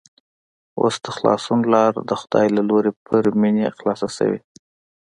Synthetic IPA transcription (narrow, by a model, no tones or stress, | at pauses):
o̰sd̪̥əxlɑ̰sunlɑɾd̪əxʊd̪̥ɑ̰jlaloɾepʰəɾminexlɑsasə̰wḭ